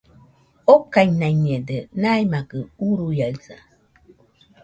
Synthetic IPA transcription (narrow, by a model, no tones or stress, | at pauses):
okajnajɲedənajmakəuɾujalsa